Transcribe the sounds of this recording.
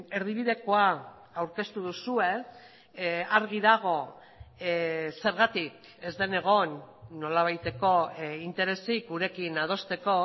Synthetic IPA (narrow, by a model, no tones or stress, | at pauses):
e̞ɾð̞iβ̞iðe̞koa | awɾke̞st̪uðusue̞ | aɾɣ̞iðaɣ̞o̞ | se̞ɾɣat̪ik | e̞zd̪e̞ne̞ɣ̞o̞nːo̞laβ̞ajt̪e̞ko̞int̪e̞ɾe̞sikuɾe̞kinað̞o̞st̪e̞ko̞